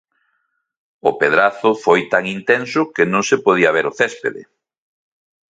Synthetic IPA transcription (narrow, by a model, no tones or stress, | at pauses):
ʊpeðɾaθʊfojt̪aŋint̪ensʊkenõŋsepoð̞iɐβeɾʊθɛspḛðḛ